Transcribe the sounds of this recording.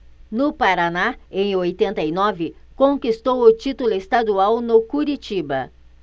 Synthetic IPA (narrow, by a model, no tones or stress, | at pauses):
nʊpaɾanaẽj̃ojt̪ẽnt̪ɐinɔvɪkõŋkist̪owʊt͡ʃit̪ʊlʊest̪ad̪uawnʊkuɾit͡ʃibɐ̰